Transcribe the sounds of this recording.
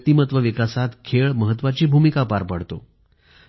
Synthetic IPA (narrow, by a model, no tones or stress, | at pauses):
t̪imət̪ʋəʋikasat̪kʰeɭməɦət̪ːʋat͡ɕiːbʱumikapaɾpəɽ̤t̪o̰